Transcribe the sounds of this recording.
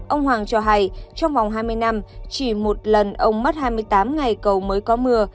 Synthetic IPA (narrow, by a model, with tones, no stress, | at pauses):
ʔə˧wŋ͡mhwaː˨˩ŋt͡ɕɔ˧ɦa˧˩jt͡ɕɔ˧wŋ͡mva˨˩wŋ͡mɦaː˧jmɨ˧əjna˧mt͡ɕi˧˩mo˨˩t̚lə˨˩nʔə˧wŋ͡mmə˦˥t̚haː˧jmɨ˧əjt̪aː˨˦mŋa˨˩jkə˨˩wməː˨˦jkɔ˨˦mɨ˧ə